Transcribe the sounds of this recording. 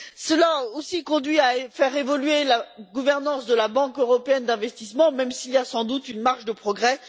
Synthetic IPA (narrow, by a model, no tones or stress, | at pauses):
səlaosikɔ̃d̪ɥiafɛʁevɔlɥelaɡuvɛʁnɑ̃sd̪əlabɑ̃køʁɔpeɛnd̪ɛ̃vɛst̪ismɑ̃mɛmsiljasɑ̃d̪ut̪ynmaʁʃd̪əpχɔɡʁɛ